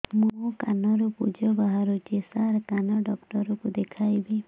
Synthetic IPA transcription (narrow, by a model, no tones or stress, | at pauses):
mũkanɔɾɔpud͡ʒɔbaɦaɾut͡ʃesaɾkanɔɖɔkʈɔɾɔkud̪ekʰajbi